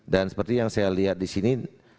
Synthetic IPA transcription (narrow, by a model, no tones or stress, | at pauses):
dansə̥pərt̪ijaŋsajaliɦat̪̚disini